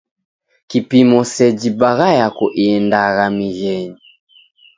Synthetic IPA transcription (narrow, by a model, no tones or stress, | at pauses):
kipimɔsɛd͡ʒibaɣajakɔʔindaɣamiɣɛɲi